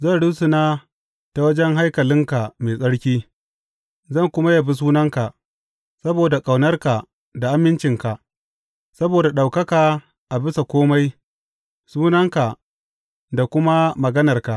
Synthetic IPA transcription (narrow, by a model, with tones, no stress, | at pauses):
zɐ˦˨nɽʊ˦sʊ˨naː˦ | ta˨wɐ˦d͡ʒɛ˦ŋɦa˦jkɐ˨lɪ˦ŋka˨meː˨sʼɐ˦ɽkʲiː˦ | zɐ˦˨ŋkʷʊ˦ma˦ja˨bi˦s̬uː˦nɐ˦ŋka˨ʔ | sɐ˦boː˨da˨kʼa˨wnɐ˦rka˨ | da˨ʔa˦mːɪ˦nt͡ʃɪ˨ŋka˨ʔ | sɐ˦boː˨da˨ɗa˨wkɐ˦kaː˨ | ʔa˨bɪ˦sa˨kʷoː˦ma˦j | suː˦nɐ˦ŋka˨ | da˨kʷʊ˦ma˦mɐ˨ɡɐ˦nɐ˨rka˨ʔ